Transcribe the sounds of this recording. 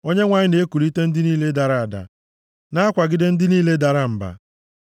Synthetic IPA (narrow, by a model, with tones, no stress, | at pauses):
o˦ɲe˦ŋʷa˨ɲɪ˦ne˨˦ku˨ɾi˦te˦n̩˦dɪ˦niː˦le˦da˨ɾa˦˨a˨da̰˨ | na˦a˦kʷa˨ɡɪ˦de˦n̩˦dɪ˦niː˦le˦da˨ɾa˦m̩˨ba̰˨